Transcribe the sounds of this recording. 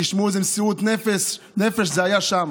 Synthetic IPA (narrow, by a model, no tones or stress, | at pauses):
ɪʃmuːzɪmsiuːt̪nɛfɛs | nɛfəʃzeajaʃam